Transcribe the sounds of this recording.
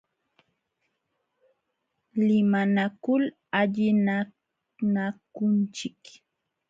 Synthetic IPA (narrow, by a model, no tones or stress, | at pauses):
lɪmanakʊl | aʎɪna | nakʊnt͡ʃɪk